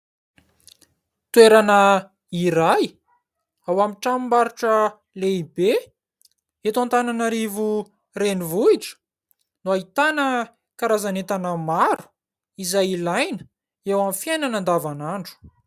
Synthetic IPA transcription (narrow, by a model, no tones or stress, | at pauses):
t̪weɾanə | iɾaj | awamiʈ͡ʂamimbaɾuʈ͡ʂə | leibe | et̪ãnt̪ananaɾivu | renivuiʈ͡ʂə̥ | nuait̪anə | kaɾazanet̪anəmaɾu̥ | izajilajnə̥ | ewamfjajnanand̪avanaɳɖ͡ʐu̥